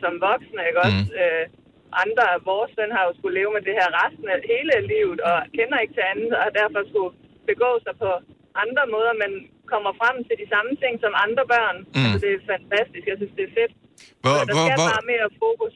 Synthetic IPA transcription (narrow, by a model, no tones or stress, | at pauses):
sɒ̽mʋɒ̽ɡ̥snəeɡ̥ɒ̽sø | ʔɑ̈nd̥ʁɐæʋɒːsːøn̰ɦɑ̈jo̝sɡ̥ule̝ːʊmed̥e̝hæɐ̰ʁɑsd̥n̩æhe̝ːləælḭːʊð̩ˠɒ̽kʰenɐe̝ɡ̥̚t͡sʰe̝ænð̩ˠɒhd̥æɐfɒ̽sɡ̥u | b̥e̝ɡ̥ɔ̰̽ːsɑ̈ɪpʰɒ̽ | ʔɑ̈nd̥ʁɐmɔ̽ːð̞ˠɐmæn | kʰɒ̽m̰ɐfʁam̰t͡sʰe̝ld̥isɑ̈mət͡sʰe̝ŋ̰sɒ̽mɑ̈nd̥ʁɐb̥ɶɐ̰nælsɒd̥e̝æfænt͡sʰæsd̥isɡ̥jɑsynsd̥e̝æɐfe̝d̥ | ɒd̥ɑ̈sæjɑb̥ɑ̈ːme̝ːɐfokʰus